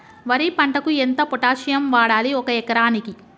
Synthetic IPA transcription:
ʋɐɾipɐɳʈɐkuent̪ɐpɔʈaːʃijɐmʋaːɽaːliɔkɐɛkɐɾaːniki

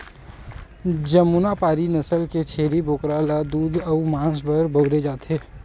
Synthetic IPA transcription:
d͡ʒəmːunapaːɾinəsəlket͡ʃʰeːɾiboːkɾalad̪uːd̪ɔumãːsbəɾbəɡɾed͡ʒaːt̪eː

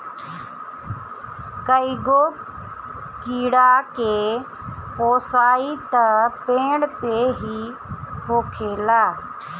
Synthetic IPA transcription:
kəiɡoː | kiːɽaːkeː | poːsaːiːt̪əpẽːɽpeːɦiː | hoːkʰeːlaː

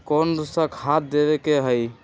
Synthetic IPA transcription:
konɾsə̃kʰat̪̚d̪eβekeɦəj

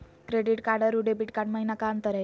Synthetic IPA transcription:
kɾeɖiʈkaɾɽəɾuɖebiʈkaʈməɦinakamt̪əɾa

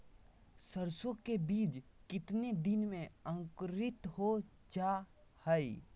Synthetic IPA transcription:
səɾsokebiːd͡ʒkɪt̪ned̪ɪnmẽə̃ŋkɾɪt̪ɦo | d͡ʒa | həi

